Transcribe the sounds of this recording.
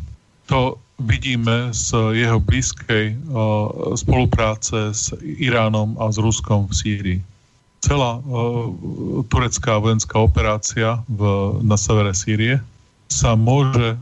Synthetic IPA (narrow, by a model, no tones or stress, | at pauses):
t̪ɔʋiɟiːmɛz̥jɛɦɔbliːskʰɛj | spɔlupɾaːt͡sɛz̥iɾaːnɔmazɾuskɔmfsiːɾiː | t͡sɛlaː | t̪uɾɛt͡skaːʋɔjɛnskaːɔpɛɾaːt͡siavnasɛʋɛɾɛsiːɾiɛ | samʊɔʒɛ